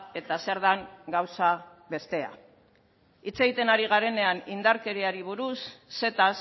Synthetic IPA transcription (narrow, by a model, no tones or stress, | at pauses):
e̞t̪ase̞ɾðaŋɡawsa | βe̞st̪e̞a̰ | it͡se̞ɣit̪e̞naɾiɣ̞aɾe̞ne̞anind̪aɾke̞ɾeaɾiβ̞uɾusːe̞t̪as